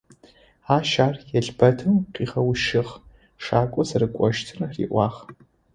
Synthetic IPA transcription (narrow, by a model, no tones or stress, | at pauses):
aːʃaːrjɛɮbɐtʰɨmqiːʁɐwʃɪʁ | ʂaːkʷʼɔzɐɾɨkʷʼɔʃtʰɨrrḭːʔʷɑːχ